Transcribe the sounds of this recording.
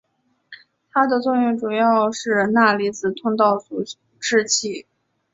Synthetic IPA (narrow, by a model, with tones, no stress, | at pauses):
t̪ʰa˥d̪ə˨t͡swɔ˥˧jʊ˥˩ŋʈ͡ʂu˨˩jɑ˥˧ʊʂɻ̩˥˧na˥˩li˧˥t͡sɹ̩˨˩t̪ʰʊ˥ŋt̪ɑ˥˩ʊt͡su˨˥˩ | ʈ͡ʂɻ̩˥t͡ɕʰi˥˩